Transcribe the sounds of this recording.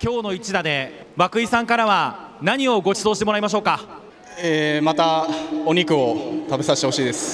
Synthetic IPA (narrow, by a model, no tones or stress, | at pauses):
kʲo̞ːno̞it͡ɕid̪ad̪e̞ | βakɯ̟isãŋkaɾaβanaɲ̟io̞ɡo̞t͡ɕid̪o̞ːɕi̥t̪eoɾaimaɕ̬o̞ːka | eːmat̪aoɲ̟ikɯ̟ot̪abe̞saɕit̪e̞ho̞ɕiːd̪e̞sɨ̥